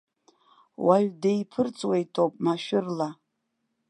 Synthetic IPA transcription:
waɥᶣdejpʰɨrt͡sʼwejtʰʼopʼmaʃᶣɪrla

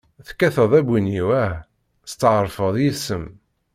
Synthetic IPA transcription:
θkːæθəðˤæbiniwæ | st͡s̪ːəʕəɾˤfəðˤjisəm

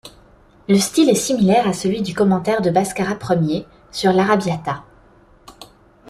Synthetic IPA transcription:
ləst̪ilɛsimilɛʁasəlɥid̪ykɔmɑ̃t̪ɛʁd̪əbaskaʁapχəmje | syʁlaʁabjat̪a

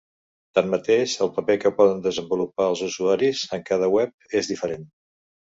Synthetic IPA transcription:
t̪amːət̪eʃəlˠpəpekəpɔðənd̪əzəmbulupaəlˠzuzuaɾizəŋkað̞əwɛp̚ezðifəɾen

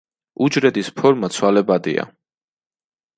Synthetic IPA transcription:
ud͡ʒɾɛd̪ispʰɔɾmat̪sʰwalɛbad̪ḭa̰

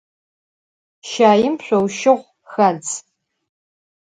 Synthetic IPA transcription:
ʃaːjɪmɕʷowʃɪʁʷ | xɐd͡z

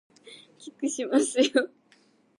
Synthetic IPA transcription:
kʲikɨ̟ɕimasɨjo

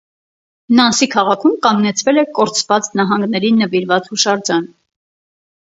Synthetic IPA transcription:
nɑnsikʰɑʁɑkʰumkɑŋɡnɛt͡sʰvɛlɛkɔɾt͡sʰvɑt͡snɑɦɑŋɡnɛɾinːəviɾvɑt͡shuʃɑɾd͡ʒɑn

